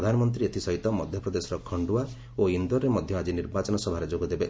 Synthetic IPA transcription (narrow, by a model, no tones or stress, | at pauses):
d̪ʱanɔmɔnt̪̬ɾiet̪ʰisɔɦit̪ɔmɔd̪ʱjɔpɾɔd̪esɔɾɔkʰɔɳɖua | oind̪ɔɾːemɔd̪ʱjɔad͡ʒiniɾbat͡ʃɔnɔsɔbʱaɾed͡ʒoɡɔd̪ebe